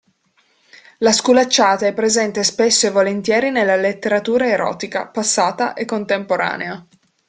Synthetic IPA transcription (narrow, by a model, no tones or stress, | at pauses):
laskulat͡ʃːaːt̪aɛpːɾezɛnt̪espesːoevolent̪jɛːɾinelːalet̪ːeɾat̪uːɾaeɾɔ̰ːt̪ika̰pasːaːt̪a̰ʔekːont̪empoɾa̰ːnea